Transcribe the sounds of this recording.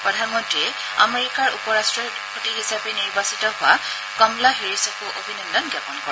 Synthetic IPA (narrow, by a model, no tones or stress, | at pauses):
pɹɔdʱanmɔntɹiɛ | a̰meɹikaɹʔṵpɔɹastɹɔ | pʰotiɦisapɛniɹbasitɔɦʊwa | kɔmlaɦiɹisɔkʊʔobʱinɔndɔnɡjapɔnkɔɹ